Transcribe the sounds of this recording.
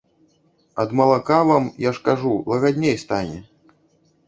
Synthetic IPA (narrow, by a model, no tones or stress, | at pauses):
ɐd̪mɐlˠakavamjaʂkaʐulˠɐɣad̪ʲnʲejst̪anʲɛ